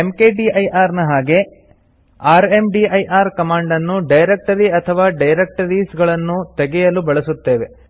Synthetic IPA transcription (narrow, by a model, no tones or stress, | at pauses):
emkeːɖiɐjʔaːɾnɐɦaːɡe̞ | aːɾemɖiːɐjʔaːɾkɐmaːɳɖɐnːuɖɐjɾek̚ʈɐɾiɐt̪ʰɐʋaːɖɐjɾek̚ʈɐɾiːsɡɐɭɐnːut̪eɡɛjɐlubɐɭɐsut̪ːe̞ːʋe̞